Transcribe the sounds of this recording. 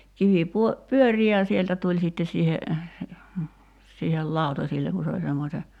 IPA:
kiʋi puo pyøri jɑ sieltæ tulʲ sitːes siːhe siːhel lɑˑutɑsilːeŋ ku se olʲ semːose

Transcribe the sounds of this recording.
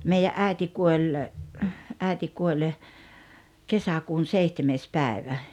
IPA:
meijæʔ ʔæˑi̞ti kuolʲ ʔæˑiti kuolʲ kesækuːn seihtemeːs pæi̞ʋæ

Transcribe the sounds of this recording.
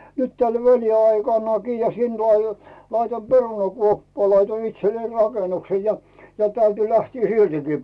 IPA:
nyt tæl ʋæliɑikɑnːɑki jɑ sin tuo ɑ lɑitoim perunɑkuopːɑː lɑitoin itselːei rɑkenukse jɑ jɑ tæyty læhtiː siltiki

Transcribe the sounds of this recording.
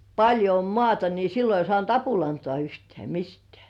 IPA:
pɑlʲjo om mŏɑˑtɑ ni silːo ei sŏɑˑnt ɑpulɑntŏɑˑ yhtĕæˑ mistĕæˑ

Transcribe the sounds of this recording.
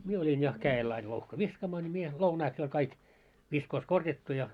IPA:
mie olʲin jɑ kæːel ɑil louhkɑ ʋiskɑːmɑː nʲi mie lounɑiks jo olʲ kɑik ʋiskoːs korjɑtːu jɑ

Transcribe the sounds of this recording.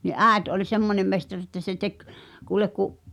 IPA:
ni ʔæːĕt ʔolʲ semːonʲem mestɑr etːæ se tek kuːlek kuʔ

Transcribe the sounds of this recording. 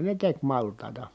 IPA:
ne tek mɑltˑɑˑi̯tɑ

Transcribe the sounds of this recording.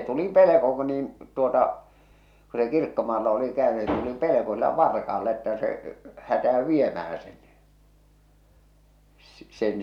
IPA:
tuli peleko k̆ niːn tuotɑ ku se kirkːomɑːlːɑ oli kæøny se tuli peleko silːæ ʋɑrkɑɑlːɑ etːæ se hætæø ʋiemæhæ sen n̥i̥ s sen

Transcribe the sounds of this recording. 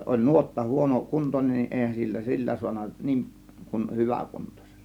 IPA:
olʲ nuotːɑ huono kuntonʲen nin eˑihæn silːæ silːæ suɑnɑ niːŋʔ kun hyʋæˑ kuntose̥l̥ːɑ̥

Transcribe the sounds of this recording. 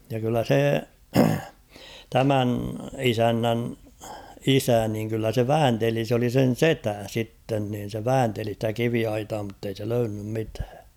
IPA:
jɑ kylːæ se tæmæn isænːæn isæ niːŋ kylːæ se ʋæːnteli s oli sen̞ setæ sitːen niːn se ʋæːnteli stæ kiʋiɑitɑː mutːei se løynːym mitæ̥ː

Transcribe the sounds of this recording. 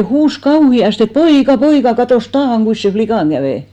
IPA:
huːs kɑuhiɑste poikɑ poikɑ kɑtoˑs tɑːhɑŋ ɡ̊uis sen̞ flikɑˑŋ ɡ̊æʋeˑ

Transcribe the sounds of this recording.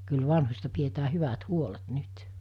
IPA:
kyl ʋɑnhosʲtɑ pietæː hyʋæt huolet nyt

